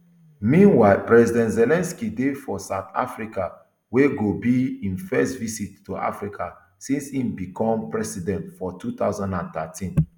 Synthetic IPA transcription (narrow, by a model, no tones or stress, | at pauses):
mĩnwaɪlpɹɛzidɛ̃ntzɛlɛ̃nskidefɔsaʊt̪ʰa̰fɹika | weɡobiĩnfɛstvisitːuʔa̰fɹikʰa | sĩnshĩmbikʰɔ̃mpɹɛsidɛ̃ntfɔtʰut̪aʊzãndãnt̪atʰĩn